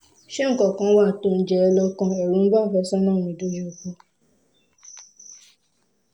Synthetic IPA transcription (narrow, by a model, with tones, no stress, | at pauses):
ʃɛ˦ŋ̩˨kɔ˨kã˧˦wa˦˨to˧˨n̩˨d͡ʒɛ˨ɛ˧lɔ˧kã˧ɛ˨ɾu˨˦n̩˦ba˦˨fɛ˧˦sɔ˦nã˦˨mĩ˧˨do˦je˧o˨k͡pɔ˧˦